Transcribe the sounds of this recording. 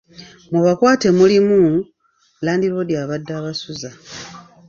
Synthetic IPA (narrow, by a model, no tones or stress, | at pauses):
mwuβakwaːte̞mulimu | laːndiβodjaːβadːaβasuza